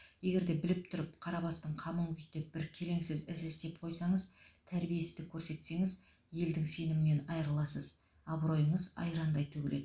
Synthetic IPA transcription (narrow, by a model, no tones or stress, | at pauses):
je̞ɡʲe̞ɾd̪e̞bɪlɪp̚t̪ʰʊɾɪpqʰɑɾɑbɑst̪əɴqʰɑməɴɡʲʏt̪ːep̚b̥ɪɾkʲʰe̞le̞ŋsɪzɪzɪst̪e̞p̚qʰo̞jsɑɴəzt̪ʰæɾbije̞sɪzd̪ɪkʲʰɵɾse̞t̪se̞ŋɪz | je̞ld̪ɪŋse̞nɪmɪne̞nɑjəɾəlˠɑsəz | ɑbɾo̞jəɴəzɑ̰jɾɑnd̪ɑjt̪ʰɵkʲle̞d̪ɪ